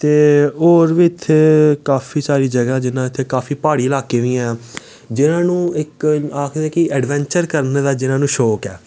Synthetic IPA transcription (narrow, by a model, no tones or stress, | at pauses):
t̪eːoːɾʋiːɪt̪ʰːeːkaːfʰiːsaːɾiːd͡ʒəɡɛːd͡ʒɪnãːɪt̪ʰːeːkaːfʰiːpaːɽiːəlaːkeːʋĩːɛ̃ː | d͡ʒɪnãːnũːɪkaːkʰd̪ɛːkɪʔɛːɖʋɛ̃ːɲt͡ʃəɾkəɾned̪aːd͡ʒɪnãːnũːʃɔːkɛː